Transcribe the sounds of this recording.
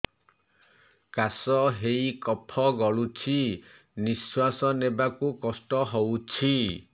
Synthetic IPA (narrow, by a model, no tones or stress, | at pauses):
kasɔɦejkɔpʰɔɡɔɭut͡ʃʰi | niswasɔnebakukɔsʈɔɦowt͡ʃʰi